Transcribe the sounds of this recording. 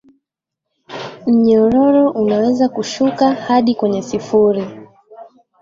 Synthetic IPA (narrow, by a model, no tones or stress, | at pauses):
m̩ɲɔɾɔɾɔʔunawɛzakuʃukahaɗikwɛɲɛsifuɾi